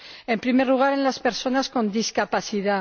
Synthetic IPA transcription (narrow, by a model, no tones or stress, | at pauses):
e̞mpɾimeɾluɣ̞aɾenlaspe̞ɾso̞nasko̞nd̪iskapaθiða